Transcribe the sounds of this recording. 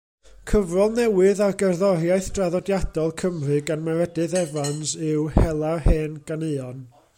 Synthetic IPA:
kʰəvrɔlˠnɛwɨðarɡɛrðɔɾjaɨθd̥raðɔdjad̥ɔlˠkʰəmrɨɡanmaɾɛdɨðɛvanzɨwhɛlˠaheːnɡ̥anɨɔn

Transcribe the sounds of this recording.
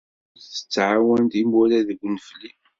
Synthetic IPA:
t͡sːə̥t͡sːʕawænt̪imʊlæðəɡʷːnəfli

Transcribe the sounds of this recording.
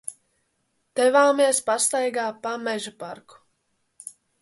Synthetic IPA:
d̪̥ɛvaːmiɛspast̪ajɡaːpamɛʒupaɾku̥

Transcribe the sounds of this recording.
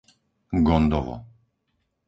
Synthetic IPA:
ɡɔnd̪ɔvɔ̰

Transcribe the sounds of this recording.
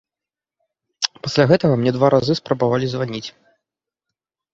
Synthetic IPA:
pasʲlʲaɣɛt̪ɐɣɐmnʲɛd̪vaɾʔazɨspɾɐbavalʲizvanʲit͡sʲ

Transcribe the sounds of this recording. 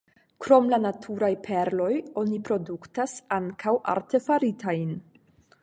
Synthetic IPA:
kɾo̞mlanatʰuɾajpʰe̞ɾlo̞jo̞nipɾo̞duktasaŋkʰawʔa̰ɾte̞faɾitʰajn

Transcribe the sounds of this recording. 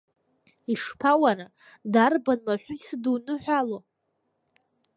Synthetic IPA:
iʂpʰawaɾa | darbanmaħʷᶣʊisɨdunɨħʷᶣalo

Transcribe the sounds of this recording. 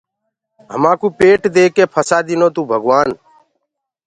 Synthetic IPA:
ɦə̰mãːkũːpeːʈd̪eːkeːpʰəsaːd̪ɪnoːt̪ũːbʱəɡʋaːn

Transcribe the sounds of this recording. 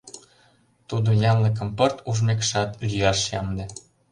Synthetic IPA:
t̪ud̪ojɑmlə̆k̬ə̆mpɤrt̪uʒmekʃɑt̪lyjɑʃjɑmd̪ĕ

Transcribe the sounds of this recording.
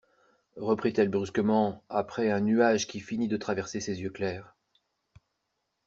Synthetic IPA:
ʁəpχit̪ɛlbʁyskəmɑ̃apχɛɛ̃nyaʒkʲifinid̪ət̪χavɛʁsesezjøklɛːʁ

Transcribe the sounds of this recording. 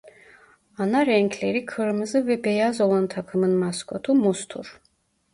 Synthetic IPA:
anaɾɛŋkʰlʲeɾikʰɯɾmɯzɯvɛbejazolˠant̪ʰakʰɯmɯnmaskʰo̞t̪ʰumust̪ʰṵɾ̥

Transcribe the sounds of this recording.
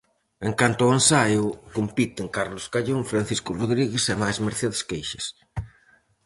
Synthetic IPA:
eŋkant̪ʊoensajʊkompit̪ɪŋkaɾlʊskaʎoŋfɾanθiskʊroðɾiɣesɛmajzmeɾθeðeskejʃɪs

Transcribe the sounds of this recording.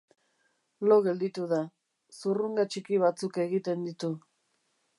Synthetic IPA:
loɣe̞ld̪it̪uða | suruŋɡat͡ʃikiβ̞at͡suke̞ɣit̪e̞nd̪it̪u

